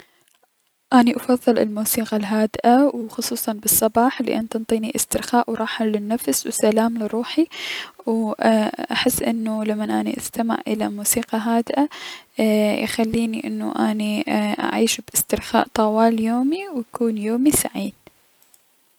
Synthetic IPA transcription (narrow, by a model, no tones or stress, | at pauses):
ʔaːniʔɑfɑðˤːɨlɪ̰lmuːsiːqalɦaːd̪ʔawxʊsˤuːsˤɑnbɨsˤːɑbɑːħlḭʔanːt̪ɑnt̪ˤiːniʔɪst̪ɪɾxaːʔwɾˤɑːħalɪnːafswsalaːmlɪɾˤuːħiw | ʔaħɪsːʔɪnːulamːanʔaːnḭʔast̪amɪ̰ʕʔɪ̰lamuːsiːqɑɦaːd̪ʔa | jxalːiːniʔɪnːṵʔaːniʔa̰ʕiːʃbʔɪst̪ɪɾxa̰ːʔt̪ˤɑwaːljoːmiwjakuːnjoːmisa̰ʕiːn